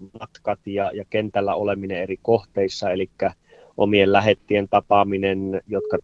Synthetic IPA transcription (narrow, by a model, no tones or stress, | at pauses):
mɑt̪kɑt̪jɑjɑkent̪ælːæ̰olemineerikoht̪eisːɑelikːæ | ʔo̰miellæɦet̪ːient̪ɑpɑminenjot̪kɑ